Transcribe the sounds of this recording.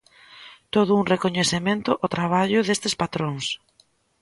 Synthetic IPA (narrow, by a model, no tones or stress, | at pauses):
t̪oðʊuŋrekoɲeθemẽnt̪ʊʔɔt̪ɾaβ̞aʎʊðest̪ɪspat̪ɾoŋs